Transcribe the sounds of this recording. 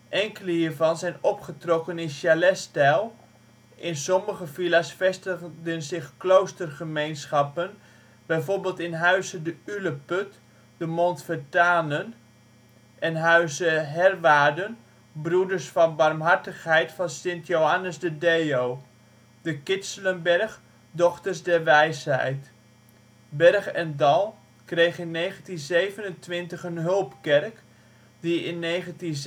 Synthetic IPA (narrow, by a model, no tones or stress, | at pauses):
ʔɛŋkələhiːɹvɑnzɛjnɔpχətrɔkənɪnʃjalɛstɛlˠ | ʔɪnsɔməχəfilasfɛstədənzɪχklowstərχəmejnsχɑpən | bɛjvoɹbɪːlˠtɪnɦœɥzədəyləpøt | dəmontfətaːnən | ʔɛnɦœɥzəɦɛrʋaːdən | brudəɹsfɑnbɑrmɦɑɹtəχɦɛjtfɑnsɪntjowɦanəsdədejow | d̥əkɪsələmbɛrχ | dɔχtəɹsdɛɹʋɛjshɛ̰jt | bɛrχɛndɑlˠ | krejχɪnːejχəntinzejvənəntʋɪntəχənɦɵlˠpkɛrk | diɪnːeːχəntin